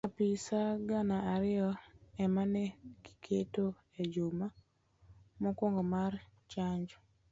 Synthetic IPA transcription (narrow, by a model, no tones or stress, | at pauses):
apɪsaɡanaaɾɪjɔɛmanɛɡi̥kʰeto | ed͡ʒuma | mɔkwɔŋɡɔmart͡ʃaɲd͡ʒɔ̥